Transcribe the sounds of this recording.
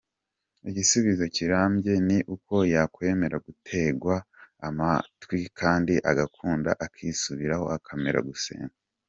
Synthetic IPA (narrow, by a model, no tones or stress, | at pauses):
iɟisuβizociɾaːmbɟe̞niʔuko̞jakwe̞ːme̞ɾaɡutʰe̞ɡwaːmatwikʰaːndiʔaɡakʰuːnda̰ʔakʰisuβiɾaho̞̰akʰameɾa̰ɡusḛːŋa